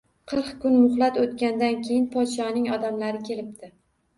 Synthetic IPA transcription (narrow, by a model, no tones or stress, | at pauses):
qʰɨɾqkʊnmʊχlˠat̪ot̪kʲand̪ankʲʰejɪnpʰɒd̪ʃɒnɪŋɒd̪amlaɾɪkʲʰe̞lɪp̚t̪ʰɪ